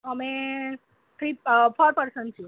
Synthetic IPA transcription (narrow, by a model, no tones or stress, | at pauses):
əmẽ | t̪ʰɾipʰɔɾpəɾsəɳʈt͡ʃʰũ